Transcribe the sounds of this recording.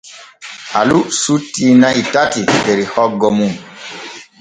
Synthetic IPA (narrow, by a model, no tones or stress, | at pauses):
ʔa̰lusutːinaʔitatiteɾihɔɡːɔmun